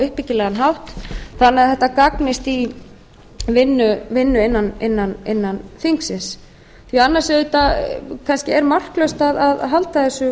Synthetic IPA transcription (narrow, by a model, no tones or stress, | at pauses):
ʏhpɪcɪlɛɣanɦawht̪θanːɛθɛht̪ːakaknɪst̪i | vɪnːʏvɪnːʏɪnːanɪnːanɪnːanθiŋksɪns | θianːaɾsɛðʏt̪akʰanscɪɛɾmar̥klœɥst̪aðaðɦalt̪aθɛsʏ